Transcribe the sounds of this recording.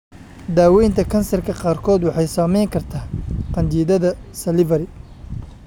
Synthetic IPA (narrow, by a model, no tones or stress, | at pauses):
d̪aːwɛjnt̪ʰɐkʰɐnsɐrkʰɐqɑːrkʰɔːd̪wɑħɑjsɐmɛjŋkʰɐrt̪ʰaːqɑnd͡ʒiːðɐðɐsɐlɪvɐɾɪ